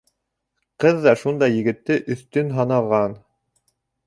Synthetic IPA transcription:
qɤðːɑʃund̪ɑjɘ̆ɡɘ̆t̪ːɘʔɵ̆θt̪ɵnɦɑnɑʁɑn

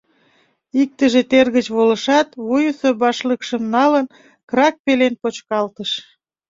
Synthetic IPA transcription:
ik̚t̪əʒet̪erɣət͡ɕβoləʃɑt̪βujusobɑʃləkʃəmnɑlən | krɑk̚pelenpot͡ɕkɑlt̪əʃ

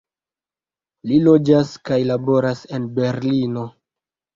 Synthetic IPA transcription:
lilo̞d͡ʒaskajlabo̞ɾase̞nbe̞ɾlino̞

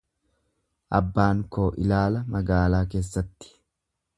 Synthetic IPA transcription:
ʔɐbːaːŋko̞ːʔɪlaːlɐmɐɡaːlaːke̞ːsːɐt̪ːɪ̥

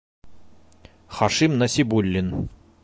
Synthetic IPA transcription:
χɑʃimnɐsʲibulʲːin

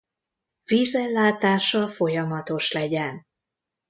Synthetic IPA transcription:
viːzɛlːaːt̪aːʃɒfo̞jɒmɒt̪o̞ʃlɛɟɛn

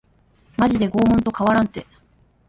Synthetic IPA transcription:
maʑid̪e̞ɡo̞ːmõ̞nt̪o̞kaβaɾãnt̪e̞

